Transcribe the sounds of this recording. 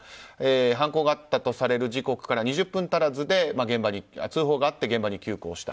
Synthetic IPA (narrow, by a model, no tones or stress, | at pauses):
eːɦãŋko̞ːɡaat̪ːat̪o̞saɾe̞ɾɯ̟ʑiko̞kɯ̥kaɾaɲ̟iʑɨpːɯ̟̃nt̪aɾazɨd̪e̞maɡẽ̞mbaɲ̟ia̰t͡sɨːɦo̞ːɡaːt̪ːe̞ɡẽ̞mbaɲ̟ikʲɨːkoːɕi̥t̪a